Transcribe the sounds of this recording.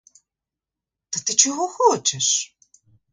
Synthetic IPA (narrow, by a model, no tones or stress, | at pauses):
t̪ɐt̪ɪt͡ʃɔɦɔxɔt͡ʃɛʂ